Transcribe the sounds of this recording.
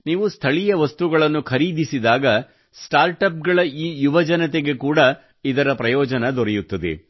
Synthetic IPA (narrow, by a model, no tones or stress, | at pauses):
niːʋust̪ʰɐɭijɐʋɐst̪uɡɐɭɐnːukʰɐɾiːd̪isid̪aːɡɐ | sʈaːɾʈɐp̚ɡɐɭɐiːjuʋɐd͡ʒɐnɐt̪e̞ɡekuːɽɐ | id̪ɐɾɐpɾɐjɔːd͡ʒɐnɐd̪ɔɾɛjut̪ːɐd̪ḛ